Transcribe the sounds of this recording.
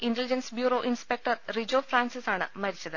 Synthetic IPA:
indelid͡ʑɐnsbjuːɾo̞ːʔinspek̚ʈɐrrid͡ʑoːfraːnsisaːɳɨmɐɾit͡ɕːɐðɨ

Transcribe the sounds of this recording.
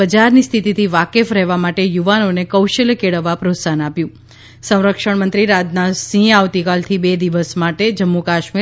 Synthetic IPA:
bəd͡ʒaɾnist̪ʰit̪it̪ʰiʋakefɾɛɦʋamaʈejuʋanonekəwʃəlkeɽəʋːapɾot̪sanapjũ | sə̃w̃ɾəkʃəɳmənt̪ɾiɾad͡ʒ̪nasĩaʋt̪ikalt̪ʰibed̪iʋəsmaʈed͡ʒəmːokaʃmi

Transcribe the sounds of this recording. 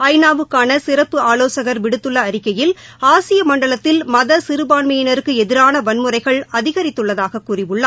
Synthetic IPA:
ɐɪnaːʋɯkːaːnɐsɪrɐpːɯaːloːsɐɣɐɾʋɪɽɯt̪ːɯɭːɐɐɾɪkːɐjɪlaːsɪjɐmɐɳɖɐɭɐt̪ːɪlmɐðɐsɪɾɯbaːɳmɐjɪnɐɾɯkːɯɛðɪɾaːnɐʋɐnmɯrɐɪɣɐɭɐðɪɣɐɾɪt̪ːɯɭːɐðaːɣɐkːʊrɪʋɯɭːɐ

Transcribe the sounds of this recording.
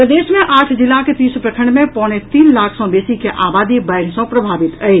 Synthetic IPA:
pəd̪eːʃmẽʔaːʈʰd͡ʒɪlaket̪iːspɾəkʰəɳmẽpɔːɽ̃et̪iːnlaːkʰsɔ̃beːsikeʔaːbaːd̪ibəɪɽ̤sɔ̃pɾəbʱaːbɪt̪əi

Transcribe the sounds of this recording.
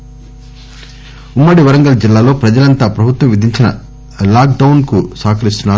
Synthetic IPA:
umːɐɽiʋɐɾɐŋɡɐlɐd͡ʒilːaːlo̞ːpɾɐd͡ʒɐlɐnt̪aːpɾɐbʱut̪ʋɐ̃mʋid̪ʱiɲt͡ʃinɐ̰ | laːkɖɐwnkusaːkʰɐɾist̪unːaːɾu

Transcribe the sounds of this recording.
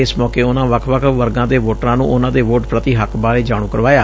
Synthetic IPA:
ɪsmɔːkeːʊnãːʋəkʰʋəkʰʋəɾɡãːd̪eːʋoːʈɾãːnṵ̃ːʔʊnãːd̪eːʋoːʈpɾət̪iːɦəkʰbaːɾeːd͡ʒaːɽ̃ũːkəɾʋaːjaː

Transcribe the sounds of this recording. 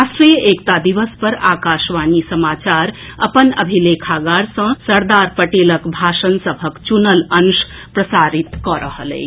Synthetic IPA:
asʈɾijəʔekt̪ad̪iʋəspəɾa̰kaʃʋanisəmat͡ʃaɾə̰pənə̰bʱilekʰaɡaɾsə̃səɾd̪aɾpəʈeləkbʱaʃənsəbʱəkt͡ʃunələns | pɾəsaɾit̪kɔɾəɦəlḛɪ

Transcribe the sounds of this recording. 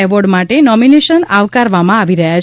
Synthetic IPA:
eʋɔɖmaʈenɔmineʃənaʋkaɾʋamãaʋiɾəɦjat͡ʃ

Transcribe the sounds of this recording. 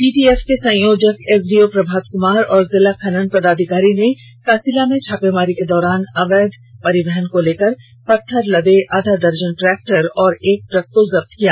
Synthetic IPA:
ʈiːʈiːeːfkesɐ̃joːd͡ʒəkeːs̬ɖiopɾɐbʱaːd̪kʊmaːɾɔːɾzɪlakʰɐnənpɐd̪aːd̪ʱɪkaːɾine | kaːsilamẽt͡ʃʰaːpemaːɾiked̪ɔːɾaːnɐʋɛːd̪ʱpɐɾɪbɛɦənkoleːkəɾ | pɐʈ̪ʰːəɾlɐb̪eʔaːd̪ʱad̪ɐɾd͡ʒənʈɾɛːk̚ʈəɾɔːɾeːk̚ʈɾɐk̚t̪ozɐb̚t̪kijaː

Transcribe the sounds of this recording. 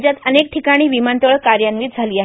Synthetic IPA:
d͡ʑjat̪ənekʈʰikaɽ̃iːʋimant̪əɭkaɾjanʋiːt̪̚d͡zʱaliːaɦ

